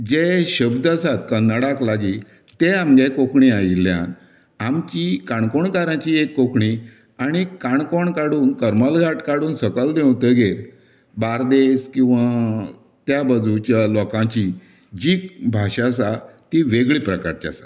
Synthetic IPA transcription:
d͡ʑeɕəbd̪asat̪kənəɽaklaɡiː | t̪eamɡekokɳiailjã̰n | amt͡ɕikaɳkɔɳkaɾãt͡ɕiekːokʰɳi | aɽ̃ikaɳkɔɳkaɽuːnkəɾmalɡʱaʈkaɽuːnsəkəld̪ẽwt̪əɡʱeɾ | baɾd̪eskĩw̃ʋa | t̪jabəd͡zut͡ɕjalɔkãt͡ɕi | d͡ʑiːbʱaɕas̬at̪iʋeɡɭiːpɾəka̰ɾt͡ɕa̰sḁ

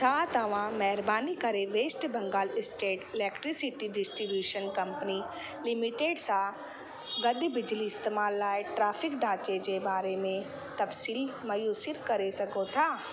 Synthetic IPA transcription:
t̪ʰat̪ɐʋãːmɛɦɾbaːnikɐɾeʋeːsʈbɐ̃ŋɡaːlɪsʈeːʈɪlɛːkʈɾisɪʈiɖɪsʈɾibjuːʃənkɐ̃mpəni | lɪmɪʈeːɖsa | ɡɐd̪bɪd͡ʒliɪst̪eːmaːlːaːeʈɾaːpʰɪkɖaːt͡ʃed͡ʒebaːɾemẽ | t̪ɐpsiːlmɐjuːsɪɾkɐɾesɐkot̪ʰaː

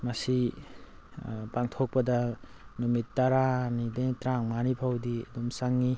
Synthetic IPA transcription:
mɐsi | paŋtʰok̚pɐdɐnumitːaɾanidetɾaŋmanipʰawdiadumsaŋːi

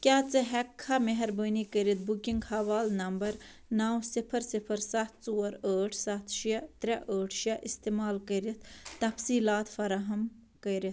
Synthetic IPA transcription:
kʲaːt͡sɨɦɛkʰːameɦɐɾbəːnikəɾit̪̚bukiŋɡhɐʋaːlnɐmbɐɾ | naːwsɪpʰɐɾsipʰɐɾsɐt̪ʰt͡suːɾəːʈʰsɐt̪ʰʃɐt̪ɾʲɐʔəːʈʰʃɐʔist̪emaːlkəɾit̪ʰt̪ɐfsiːlaːt̪fɐɾaɦɐm | kɐɾit̪

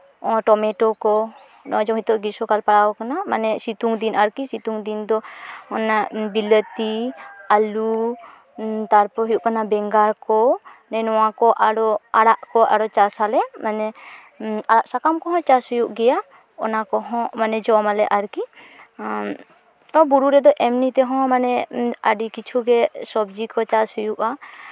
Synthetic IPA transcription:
ɔ̃ʈɔmɛʈɔkɔ | nɔd͡ʒɔɦit̪ɔʔɡisɔkalpaɽawɔkanamanɛsit̪uŋd̪inaɾkisit̪uŋd̪ind̪ɔɔnabilət̪ialu | t̪aɾpɔɦɔjuʔkanabɛŋɡaɾkɔnɛnɔwakɔʔaɽɔaɽaʔkɔʔa̰ɽɔt͡ʃasalɛmanɛ | aɽaʔsakamkɔɦɔ̃t͡ʃasujuʔɡɛja | ɔ̰nakɔɦɔ̃manɛd͡ʒɔmalɛʔaɾki | ɔbuɾuɾɛd̪ɔʔɛmnit̪ɛɦɔ̃manɛaɖikit͡ʃʰuɡɛsɔb̚d͡ʒikɔt͡ʃashujuʔa

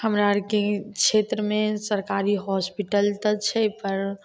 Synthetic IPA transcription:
həmɾaɾkekʃʰet̪ɾəmesəɾkaɾiɦɔspiʈəlt̪ət͡ʃʰɛpəɾ

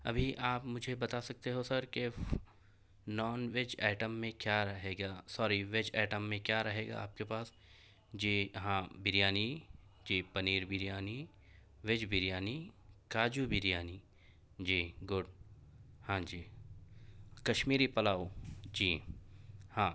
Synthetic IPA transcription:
ɐ̰bʱiʔaːpmʊd͡ʒʱebɐt̪asɐk̚t̪eɦosɐɾke | nɔːnʋed͡ʒɛːʈəmːẽkjaːɾɐɦeːɡaːsɔːɾiʋed͡ʒɛːʈəmːẽkjaːɾɐɦeːɡa̰a̰ːp̚kepaːs | d͡ʒiːɦãːbɪɾijaːni | d͡ʒiːpɐniːɾbɪɾjaːni | ʋɪd͡ʒbɪɾjaːnikaːd͡ʒubɪɾijaːni | d͡ʒiːɡʊɖ | hãːd͡ʒiː | kɐʃmiːɾipɐlaːod͡ʒiː | hãː

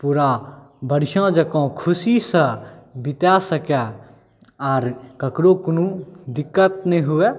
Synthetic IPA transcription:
puːɾa | bəɾɪʃãd͡ʒəkõkʰʊsisəbɪt̪asəkɛ | ɔːɾkəkɾokʊnũd̪ɪkːət̪̚nĩɦʊeː

